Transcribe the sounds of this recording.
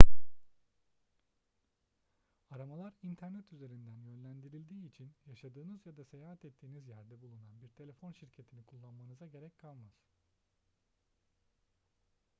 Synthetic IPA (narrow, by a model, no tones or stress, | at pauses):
aɾamalˠaɾint̪ʰæɾnɛt̪ʰyze̞ɾind̪ænjø̞nlʲænd̪iɾilʲd̪iːit͡ʃʰinjaʃad̪ɯːnɯzjad̪ase̞jaːɦat̪ɛt̪ʰːiːnizjæɾd̪ɛbulˠunanbiɾt̪ʰe̞lʲe̞fo̞nʃiɾcʰe̞t̪ʰinikʰulˠːanmanɯzaɟe̞ɾɛcʲkʰalˠmaz̥